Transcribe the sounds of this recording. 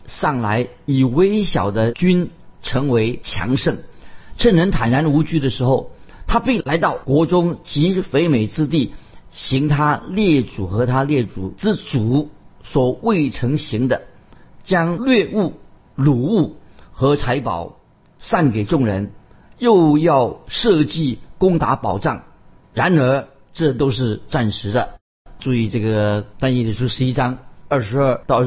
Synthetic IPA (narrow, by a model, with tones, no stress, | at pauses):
sɑ˥˩ŋla˧˥ɪ | i˨˩we˥ɪɕjɑ̰˨˩ʊd̪ə˦t͡ɕy˥nʈ͡ʂʰɤ˧˥ŋwe˧˥ɪt͡ɕʰjɑ̰˧˥ŋʂɤ˥˩ŋʈ͡ʂʰə˥˩nɻə˧˥nt̪ʰa˨˩nɻa˧˥nu˧˥t͡ɕy˥d̪ə˨ʂɻ̩˧˥xo˥˧ʊt̪ʰa˥pi˥˩la˧˥ɪt̪ɑ˥˩ʊkwɔ˧˥ʈ͡ʂʊ˥ŋt͡ɕi˧˥fe˧˥ɪme˨˩ɪt͡sɹ̩˥t̪i˥˩ɕi˧˥ŋt̪ʰa˥ljɛ˥˩ʈ͡ʂu˨˩xɤ˧˥t̪ʰa˥ljɛ˥˩t͡su˨˩t͡sɹ̩˥˩t͡su˨˩˦swɔ˨˩we˥˩ɪʈ͡ʂʰɤ˧˥ŋɕi˧˥ŋd̪ə˧ | t͡ɕjɑ˥ŋlɥɛ˥˧u˥˩ | lu˨˩u˥˩xɤ˧˥t͡sʰa˧˥ɪpɑ̰˨˩˦ʊ | sa˥˩nke˨˩ɪʈ͡ʂʊ˥˩ŋɻə˧˥n | jo˥˧ʊjɑ˥˧ʊʂɤ˥˧t͡ɕi˥˩kʊ˥ŋt̪a̰˧˥pɑ˨˩ʊʈ͡ʂɑ˥˩ŋ | ɻa˧˥nə˞˧˥ | ʈ͡ʂɤ˥˧t̪o˥ʊʂɻ̩˥˧ʈ͡ʂa˥˩nʂɻ̩˧˥d̪ə˧ | ʈ͡ʂu˥˧i˥˧ʈ͡ʂɤ˥˩ɡə˩t̪a˥njɛ˥˧li˥˩ʂu˥ʂɻ̩˧˥i˥ʈ͡ʂɑ˥ŋə˥˧˩ʂɻ̩˧˥ə˞˥˧t̪ɑ˥˧ʊ˥˩